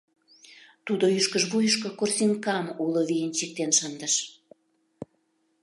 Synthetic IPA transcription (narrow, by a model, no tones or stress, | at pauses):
t̪ud̪oyʃkəʒβujəʃkokorsʲiŋkɑmuloβijənt͡ɕik̚t̪enʃənd̪əʃ